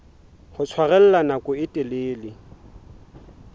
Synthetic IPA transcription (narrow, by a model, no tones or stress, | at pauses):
hʊt͡sʰwaɣɛl̩lanakʼʊɪtʼɪleːlɪ